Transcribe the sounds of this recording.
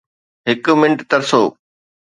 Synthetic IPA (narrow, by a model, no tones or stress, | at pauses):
ɦɪkʊ̆mɪ̃ɳʈt̪ɐɾsoː